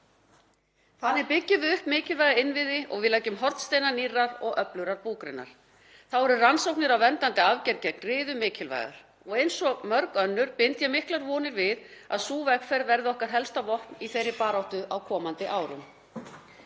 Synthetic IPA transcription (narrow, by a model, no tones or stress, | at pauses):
θanːɪɾpɪcːɪðʏʏhpmɪːcɪlvajɣaɪnvɪðɪʔɔ̰ɣvɪðlaːjcʏmɦɔɾt̪st̪eːjnanirːaɾɔɣʔœplʏɾaɾpuːkɾɪ̰nːa̰ɾ̥ | θawɛɾʏransowknɪɾawvɛnt̪ant̪ɪavcɛɾcɛk̚nrɪːðʏmɪːcʰɪlva̰jɣa̰ɾ̥ | ɔɣejnsɔmœɾkœnːʏɾ̥pɪnt̪jɛmɪhklaɾvɔːnɪɾvɪða̰ðsuːvɛkfɛɾvɛɾðɪɔhkaɾ̥ɦɛlst̪avɔhtniθejɾːɪpaːɾawht̪ʏawkʰɔːmant̪ɪʔaːwɾʏ̰m